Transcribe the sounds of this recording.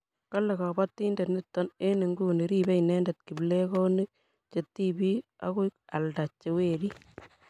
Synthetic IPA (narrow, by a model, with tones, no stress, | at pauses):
ka˦lɛ˨kɔ˨ba˦tːi˦ndɛ˨tnɪ˦tːɔ˦ne˦ni˨ŋɡu˦˨ni˨ɾi˦bɛ˦inɛ˦ndɛ˨t̚ki˨ble˦ko˦ni˦k̚ | t͡ʃe˨tːi˦bi˦a̰˦ku˦ka˨lda˨t͡ʃːe˨weː˨di˦